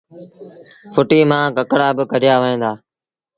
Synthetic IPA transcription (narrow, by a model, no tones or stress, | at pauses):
fʰʊʈiːmãːkəkɽaːbɪkəɾɪjaːʋəɦẽːnd̪aː